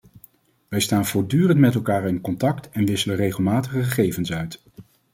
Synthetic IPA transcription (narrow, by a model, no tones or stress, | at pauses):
ʋɛjstaːnv̥ʊːɹdyːrəntmɛtɛlˠkaːɹɪnkɔntɑktɛnʋɪsələrejχəlˠmaːtəχəχəχejvənsœɥt